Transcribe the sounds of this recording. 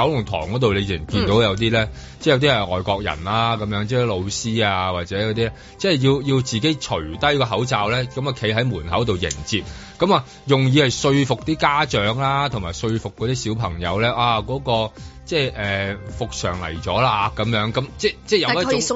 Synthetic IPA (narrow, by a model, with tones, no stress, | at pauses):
ɐ˨˥wlʊ˨˩ŋt̪ʰɔ̰ː˨˩ŋkɔː˨˥t̪̬o˨wle˨˧ji˨˩˨kiː˧nt̪o˨˥wjɐ˨˧wt̪iː˥lɛː˥t͡sɛ˥˩jɐ˧wt̪i˥ɛ˨˩ŋɔː˨jkɔː˧k̚jɐ̰˨˩naː˧kɐ˨˧˥mjœː˨˥ŋt͡sɛː˥lo˨˧wsiː˥aː˧waː˨t̚t͡sɛː˨˥jɐ˨˧wt̪iː˥ɛ˥ | t͡sɛː˥˩ji˧wji˧wt͡siː˨ke˨˥jt͡ʃʰɵ˨˩ɥt̪ɐ˥jkɔː˧ɦɐ˨˥wt͡saː˨wlɛː˥kɐ˨˥ma˨kʰe˨˥jɦɐ˨˥jmuː˨˩nhɐ˨˥wt̪o˨wjɪ̰˨˩ŋt͡siː˨p̚kɐ˨˥maː˨˧ | jʊ˨˩ŋjiː˨˧hɐ˨jsɵ˧ɥfʊ˨k̚t̪iː˥kaː˥t͡ʃœː˨˥ŋlaː˥t̪ʰʊ˨˩ŋmaː˨˩jsɵ˧ɥfʊ˨kːɔː˨˧t̪iː˥siː˨˥wpʰɐ˨˩ŋjɐ̰˨˧wlɛː˥ʔaː˧kɔː˨˥kɔː˧t͡sɛː˥˩ʔɛː˨fʊ˨k̚sœ̰ː˨˩ŋlɐ̰˨˩jt͡ʃɔː˨˥laː˧kɐ˨˥mjœː˨˥ŋkɐ˨˥mt͡sɛː˥˧˩t͡sɛː˥˩jɐ˨˧˥